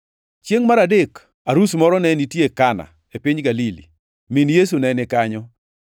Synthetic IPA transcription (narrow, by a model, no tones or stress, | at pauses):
t͡ʃjeŋmaɾadek | aɾusmɔɾɔnɛnitjekana̰ | epiɲɡalilḭ | minjes̬unɛnɪkaɲɔ